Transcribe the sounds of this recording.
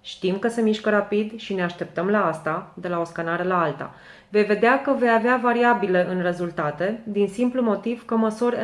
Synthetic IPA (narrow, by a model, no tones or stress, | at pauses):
ʃt̪imkəsemiʃkəɾapid̪ʃine̞aʃt̪e̞p̚t̪əmlaast̪ad̪e̞lao̞skanaɾəlaalt̪a̰ | ve̞jve̞d̪eakəve̞javeavaɾiabile̞ʔɨnre̞zult̪at̪e̞d̪insimplumo̞t̪iv̥kəməsurʲ